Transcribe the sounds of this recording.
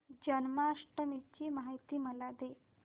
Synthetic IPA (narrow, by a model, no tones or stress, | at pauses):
d͡ʑənmaʂʈəmit͡ɕiːmaɦajt̪iːməlad̪e